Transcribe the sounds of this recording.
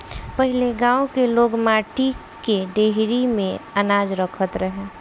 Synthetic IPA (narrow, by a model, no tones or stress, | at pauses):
pəɦileɡãːõkeloːɡmaːʈi | keɖeɦɾimẽənaːd͡ʒɾəkʰət̪ɾəɦe